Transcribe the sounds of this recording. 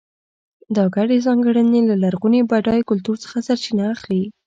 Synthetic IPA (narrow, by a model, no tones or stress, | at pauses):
d̪ɑɡaɽezɑŋɡəɽənelalaɾɣunebaɖɑjkʊlt̪uɾt͡sə̥xasaɾt͡ʃinaːxli